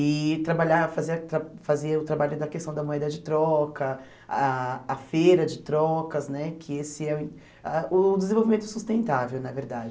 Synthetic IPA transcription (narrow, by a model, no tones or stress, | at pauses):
ɪt̪ɾabaʎafaziɐt̪ɾafazeɐʊt̪ɾabaʎʊd̪ɐkest̪ɐ̃w̃d̪ɐmoɛd̪ɐd͡ʒɪt̪ɾɔkɐ | aɐfeɾɐd͡ʒɪt̪ɾɔkɐznɛkʰɪesɪɛ̃ | aʔʊd̪ezẽvowvimẽnt̪ʊsust̪ẽnt̪avewnɐveɾd̪ad͡ʒɪ